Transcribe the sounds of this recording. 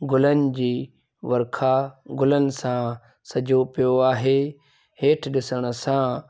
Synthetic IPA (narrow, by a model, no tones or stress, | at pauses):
ɡʊlənɪ̆d͡ʑiː | ʋɐɾkʰaɡʊlənɪ̆sã | sɐd͡ʑʱopijoaːɦeː | heːʈʰɗɪsəɽ̃ə̆sã